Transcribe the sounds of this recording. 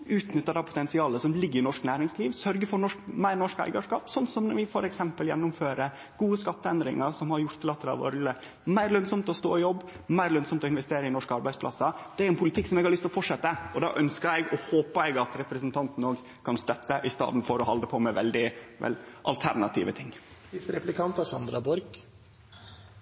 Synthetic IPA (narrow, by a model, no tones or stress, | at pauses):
ʉːt̪nʏt̪ːəd̪ɑpʰʊ̥t̪ɛnsɪɑːləsɔmlɪɡːəɾɪnɔʂknæːɾɪŋsliːʋsœɾɡəfɔɾɳɔʂkmæɪɾnɔʂkæ̰ɪɡɑʂkɑ̰ːpsɔnːsɔmnɔʋɪfɔɾɛksɛmpəljɛ̰nːʊmføːɾə | ɡ̥uːəskɑt̪ːəɛnd̪ɾɪ̰ŋəɾsɔmhɑɾjʊɾt̪ʰəlɑt̪ːəlɑ̰ʋo̰ɾlə | mæɪɾlœnsɔmt̪ɔst̪o̰ːɪjɔbː | mæɪɾlœnsɔmt̪ɔɪnʋɛst̪eːɾəɪnɔʂkəɑɾbæɪdspʰlɑ̰sɑd̪ɛæɾɛnpʰʊlɪt̪ɪkːsɔmɛɡhɑɾlʏst̪ɔfɔʂɛt̪ːəɔd̪ɑ̰ːʔœnskəɾɛɡɔhoːpəɛɡɑt̪ɾɛpɾəsənt̪ʰɑnt̪n̩oːɡ | kʰɑnst̪œt̪ːəʔɪst̪ɑ̰ːd̪n̩fɔɾɔhɑ̰ld̪əpʰɔmɛʋɛ̰ld̪ɪʋɛ̰lʔɑ̰lt̪ʰæ̰ɾnɑt̪ʰḭːʋə̰t̪ʰɪŋːsɪst̪əɾɛplɪkʰɑnt̪ɑsɑnd̪ɾɑbɔɾɡ